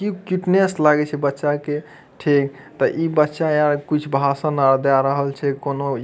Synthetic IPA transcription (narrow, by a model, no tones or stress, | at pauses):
kikiʈneslaɡɛt͡ʃʰɛbətːʃake | ʈʰik̚ | t̪əʔibətːʃaaɾkit͡ʃʰbʱasə̃nad̪aɾəɦəlt͡ʃʰɛkono